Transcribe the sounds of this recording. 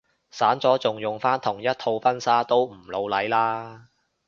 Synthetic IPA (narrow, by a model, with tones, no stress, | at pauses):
saː˨˥nt͡sɔː˨˥t͡sʊ˨˩ŋjʊ˨˩ŋfaː˥nt̪ʰʊ˨˩ŋjɐ˥t̚t̪ʰo˧wfɐ˥nsaː˥t̪o˥wm̩˨˩lo˨˧wlɐ˨˥jlaː˥